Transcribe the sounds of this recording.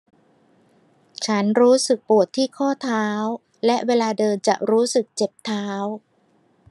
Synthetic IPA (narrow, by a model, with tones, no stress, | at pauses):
t͡ɕʰa˦˥nɾuː˦˥sɯ˨˩k̚pu˨˩ət̪ʰːiː˥˩kʰɔː˥˩t̪ʰaː˦˥w | lɛ˦˥ʔweː˧laː˧dɤː˧nt͡ɕa̰˨˩ʔɾuː˦˥sɯ˨˩k̚t͡ɕe˨˩p̚t̪ʰːaː˦˥w